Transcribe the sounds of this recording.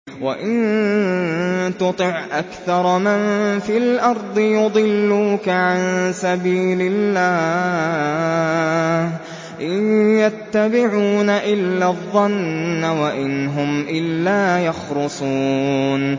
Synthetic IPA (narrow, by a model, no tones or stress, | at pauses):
waʔɪn | t̪ʊt̪ˤɨʕʔakθɑɾˤmannfilʔɑɾˤd̪ˤɨjʊd̪ˤɨlːuːkaʕansabiːlɪlːaː | h | ʔɪjat̪ːabɪʕuːnaʔɪlːaðˤːɑnːawaʔɪnɦʊmʔɪlːaːjɑxlʊsˤuːn